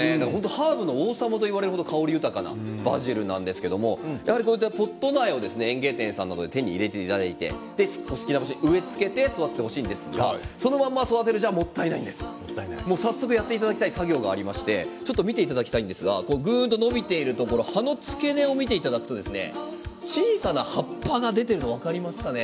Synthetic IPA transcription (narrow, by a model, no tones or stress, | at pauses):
ed̪akɦo̞nt̪̬o̞haːbɯ̟nooːsamat̪̬o̞iβaɾe̞ɾɯ̟hod̪okʰao̞ɾʲijɯ̟t̪akana̰ba̰ʑiɾɯ̟nã̰nd̪e̞sɨ̥ke̞d̪o̞mo̞jahaɾʲikoːjit̪ːapo̞t̪ːo̞naio̞d̪e̞sɨne̞ẽŋɡe̞ːt̪ẽ̞ɰ̃sãnːa̰d̪od̪e̞t̪ẽɲ̟ːḭːɾe̞t̪et̪ad̪ait̪e̞̰d̪̥e̞skosɨ̥kʲinakoɕiɲɯ̟e̞t͡sɨ̥ke̞t̪e̞soβat̪et̪eɦo̞ɕiːnd̪e̞sɨɡa̰so̞no̞mãmːaso̞d̪at̪̬e̞ɾɯ̟ʑamo̞t̪ːainaĩnd̪e̞sɨ̥ | mo̞ːsasːo̞kɯjat̪ːeit̪ad̪akʲi̥t̪aisaɡʲo̞ːɡa̰ːɾʲimaɕi̥t̪e̞t͡ɕo̞t̪ːomʲit̪e̞it̪ad̪akʲi̥t̪aĩnd̪e̞sɨɡa̰ko̞noɡɯ̟̃ːnt̪ono̞bʲit̪e̞iɾɯ̟t̪o̞ko̞ɾo̞hano̞t͡sɨ̥ke̞ne̞o̞mʲit̪e̞it̪ad̪akɯ̟̥t̪o̞d̪e̞sɨne̞̰ | t͡ɕiːsanahapːaɡad̪e̞t̪e̞ɾɯ̟no̞β̞akaɾʲimasɨ̥kane̞